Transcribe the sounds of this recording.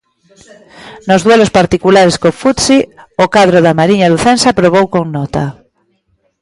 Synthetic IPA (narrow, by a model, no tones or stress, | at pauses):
nozðwelospaɾt̪ikulaɾeskofut̪siokaðɾoðamaɾiɲaluθensapɾoβ̞owkoŋnɔt̪a